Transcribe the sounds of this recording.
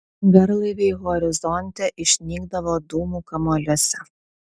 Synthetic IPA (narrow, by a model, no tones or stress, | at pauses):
ɡɐɾlˠɐɪʋʲeɪɣɔɾʲɪzɔnʲt̪ʲɛʔɪʃʲnʲiːɡd̪ɐʋoːd̪uːmuːkɐmoːlʲuɔsʲɛ